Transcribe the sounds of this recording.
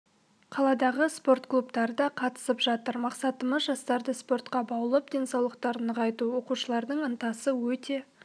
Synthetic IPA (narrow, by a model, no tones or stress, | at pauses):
qʰɑlˠɑd̪ɑʁəspo̞ɾt̪klˠupt̪ɑɾəd̪ɑqʰɑt̪ə̥səpʒ̥ɑt̪əɾmɑqsɑt̪əməzʒɑst̪ɑɾd̪əspo̞rt̪qɑbɑwəlˠəpd̪e̞nsɑwlˠəqt̪ɑɾnəʁɑjt̪uwo̞quʃəlˠɑɾd̪əɴənt̪ɑsəwɵt̪e̞